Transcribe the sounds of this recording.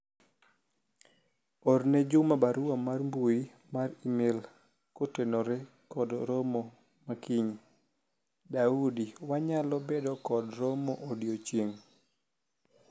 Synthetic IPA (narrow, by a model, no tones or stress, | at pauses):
ɔrnɛd͡ʒʊmabaɾuamarmbui | maɾimɪl | kotenoɾɛ | kɔdɾɔmo | makiɲi | daudiwaɲalɔbedɔkɔdɾɔmoʔodjot͡ʃeŋ